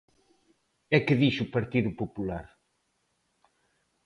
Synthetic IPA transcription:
ɛkɨðiʃupɐɾt̪iðupopulaɾ

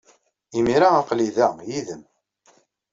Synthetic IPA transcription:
imiɾaɑqliðæjiðəm

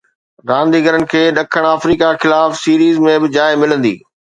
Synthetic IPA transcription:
ɾãːnd̪iɡəɾənɪ̆kʰeːɗɐkʰəɽ̃aːfɾiːkaxɪlaːfsiːɾiːzmẽbɪd͡ʑaːɪmɪlə̃nd̪ḭː

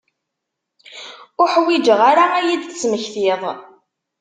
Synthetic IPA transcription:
ʊħwid͡ʒəʁaɾaæjid̪t͡sːməçθiðˤ

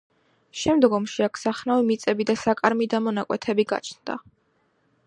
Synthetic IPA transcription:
ʃɛmd̪ɡɔmʃiakʰsaχnavimit̪sʼɛbid̪asakʼaɾmid̪amɔnakʼwɛ̰t̪ʰɛbiɡa̰t͡ʃʰnd̪̥a̰

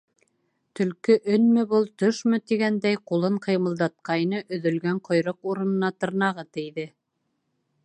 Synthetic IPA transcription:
t̪ɵ̆lkɵʔɵnmɘbɤlˠt̪ɵʃmɵ̆t̪iɡænd̪æjqulˠɤɴqɤ̆jmɤ̆lˠd̪ɑt̪̚qɑjnɤʔɵ̆ðɵ̆lɡæɴqŏjɾɤquɾɤ̆nɤ̆nɑt̪ɤ̆ɾnɑʁɤt̪ɘ̆jðɘ

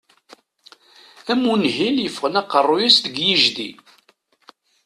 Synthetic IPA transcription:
æmːunɦiljəfʁənɑqːərˤːujæsd̪əɡjiʒðḭ

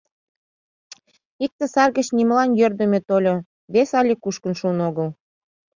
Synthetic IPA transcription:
ik̚t̪ə̆sɑrɣə̆t͡ɕnimlɑnjørd̪ə̆mʲet̪olʲo | βesɑlʲekuʃkə̆nʃuːnoɣəl

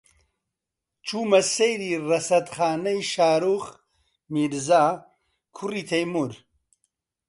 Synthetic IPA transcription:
t͡ʃʰuːmɐsejɾiːrɐsɐt̪χaːnɐjʃaːɾuːχ | miɾzaː | kʰuriːt̪ʰɐjmuɾ

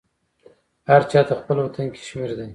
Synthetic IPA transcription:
haɾt͡ʃʰɑt̪ʰaχpəlwot̪ʰənkʲʰe̥ʃmeɾd̪ɪ

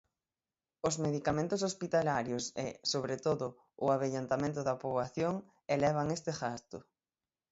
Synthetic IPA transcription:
ʊzmeðikamẽnt̪ʊs̬ospit̪alaɾjosḛsoβɾet̪oðʊ | ʊaβeʎant̪amẽnt̪ʊðɐpoβaθjoŋ | elɛβ̞aŋest̪eɣast̪ʊ

